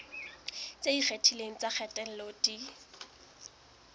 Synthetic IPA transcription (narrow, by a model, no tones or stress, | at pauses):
t͡sʼediχʰetʰileŋ̩t͡sak͡xʰɛtʼɛl̩lodi